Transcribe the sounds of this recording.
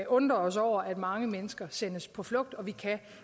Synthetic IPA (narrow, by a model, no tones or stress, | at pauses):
ʔɔ̽nd̥ʁɐɒ̽sɒʊ̰ɐʔæd̥mɑ̈ŋəmenəsɡ̥ɐsen̰əspʰɒ̽flɔ̽ɡ̥̚d̥ɒ̽ʋikʰæ